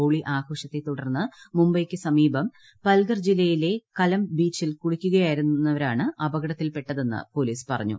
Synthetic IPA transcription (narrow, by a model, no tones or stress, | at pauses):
oːɭiʔaːɡʰo̞ːʂɐt̪ːe̞t̪uɽɐrnːɨmumbɐjkʲːɨsɐmiːbɐm | pɐlɡɐrd͡ʑilːɐjile̞kɐlɐmbiːt͡ɕːilkuɻikʲːuɣɐjaːjiɾunnːɐʋɐɾaːɳɨɐbɐɣɐɽɐt̪ːilpe̞ʈːɐðe̞nːɨ̰po̞ːliːspɐrɐ̰ɲːṵ